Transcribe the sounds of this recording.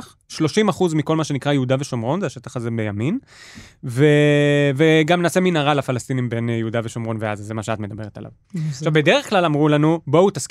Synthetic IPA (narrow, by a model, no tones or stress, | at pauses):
χ | ʃlo̞ʃimaχuzmiko̞lmaʃe̞nikʁajeud̪ave̞ʃomʁo̞nzeaʃet̪aχazebejamin | veveɡamnaːse̞minaʁalafalast̪inimbe̞njeud̪aveʃomʁo̞nveazazemaʃeatme̞d̪abe̞ʁet̪a̰lʔa̰v | ʃavbed̪eʁeχklalamʁulanubo̞ut̪ask